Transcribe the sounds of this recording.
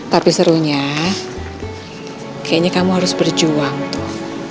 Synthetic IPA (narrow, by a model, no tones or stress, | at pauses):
t̪apisəɾuɲa | kajaɲakamuɦaɾʊsbərd͡ʒuaŋt̪ʊh